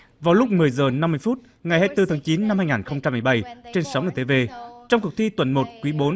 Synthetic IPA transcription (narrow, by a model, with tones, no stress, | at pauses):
vaː˨˩wlʊ˦˥k͡p̚mɨ˨˩əjzəː˨˩na˧mːɨ˧əjfu˦˥t̚ | ŋa˨˩jhaː˧jt̪ɨ˧t̪ʰaː˨˦ŋt͡ɕi˨˦nːa˧mhaː˧jŋaː˨˩nxə˧wŋ͡mt͡ɕa˧mːi˨˩jɓa˧˩jt͡ɕe˧nsa˨˦ŋ͡mʔəː˨˧˩t̪e˧ve˧t͡ɕɔ˧wŋ͡mkʊ˨˩k̚t̪ʰi˧t̪wə˨˩nmo˨˩t̚kwi˨˦ɓo˨˦n